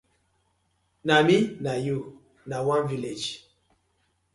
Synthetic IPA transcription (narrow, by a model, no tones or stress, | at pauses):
naminaju | nawãnviled͡ʒ